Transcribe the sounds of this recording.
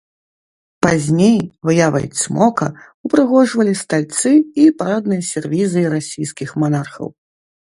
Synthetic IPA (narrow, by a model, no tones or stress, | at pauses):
pazʲnʲejvɨjavɐ̰jsʲmɔkɐ̰ | upɾɨɣɔʐvɐlʲist̪alʲt̪sɨipaɾad̪̚nɨjɐsʲɛrvʲizɨɾasʲijskʲixmanarxɐ̰w